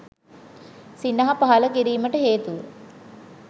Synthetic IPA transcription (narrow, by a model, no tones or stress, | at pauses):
sinːɐɦɐpaɦɐləkiɾiːməʈəɦeːt̪uʋə